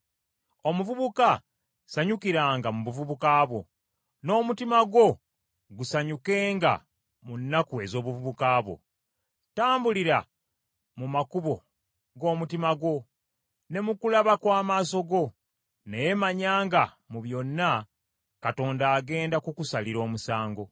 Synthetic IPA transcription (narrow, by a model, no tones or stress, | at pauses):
o̞muvuβuka | saɲukiɾaːŋɡamuβuvuβukaːβo̞̰ | no̞ːmutimaɡo̞ | ɡusaɲuke̞ːŋɡa̰ | munːakue̞zo̞ːβuvuβukaːβo̞̰ | taːmbuliɾa | mumakuβo̞ | ɡo̞ːmutimaɡo̞ | ne̞mukulaβakwaːmaːso̞ɡo̞ | neje̞maɲaːŋɡa | muβjo̞nːa | kato̞ːndaːɡe̞ːndakukusaliɾo̞ːmusaːŋɡo̞